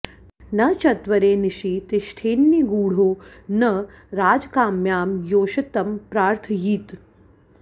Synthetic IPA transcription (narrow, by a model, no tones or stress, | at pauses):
nɐt͡ʃɐt̪ʋɐɾeːniʃiːt̪iʃʈʰeːnːiɡuːɽ̤oːnɐ | ɾaːd͡ʒkaːmjaːmjoːʃɐt̪ɐmpɾaːɾt̪ʰjiːt̪